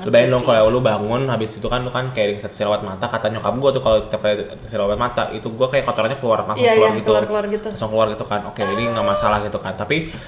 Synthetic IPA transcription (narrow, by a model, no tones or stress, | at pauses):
ləbaɛndoŋkollʊbaŋʊnɦabɪsit̪ukand̪ukankajaʔdit̪at̪ə̥silawat̪̚mat̪akat̪aɲokap̚ɡuat̪ukaloit̪ap̚kaat̪əsilawat̪̚mat̪a̰ʔit̪uɡuakajakot̪oɾaɲakəluarmasʊŋkluarɡit̪uuarɡimasʊŋkəluarɡit̪ukanokeadiŋamasalahɡit̪ukant̪api